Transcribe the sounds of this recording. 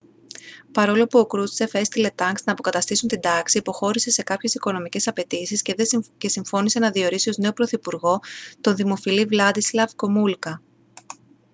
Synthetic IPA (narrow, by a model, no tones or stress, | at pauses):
pɐɾo̞lopuokɾut̪i̥se̞fest̪ile̞t̪ɐŋksnɐːpo̞kɐt̪ɐst̪isunt̪ind̪ɐksiːpo̞xo̞ɾise̞se̞kɐpçe̞siko̞no̞mice̞sɐpe̞t̪isisce̞siɱfo̞niseenɐðio̞ɾisio̞zne̞o̞pɾo̞θipuɾɣo̞t̪o̞nðimo̞filivlɐd̪islɐvko̞mulkɐ